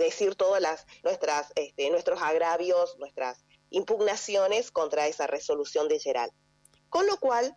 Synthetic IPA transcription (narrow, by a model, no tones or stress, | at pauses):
ðe̞siɾt̪oðalasnwest̪ɾasest̪enwe̞st̪ɾo̞saɣɾaβjo̞snwest̪ɾa̰s | impuɣnasjo̞ne̞sko̞nt̪ɾaesareso̞lusjo̞nd̪eʒeɾa̰l | ko̞nlo̞kwal